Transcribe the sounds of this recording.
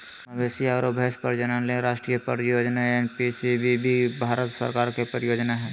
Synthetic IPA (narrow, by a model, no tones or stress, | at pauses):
besiaɾobʱespə̰ɾd͡ʒənənlẽɾaːʃʈɾijəpəɾjoːd͡ʒnaenpisibibʱibʱaːɾət̪sə̰ɾkaːɾkepəɾɪjoːd͡ʒnaɦɛ̃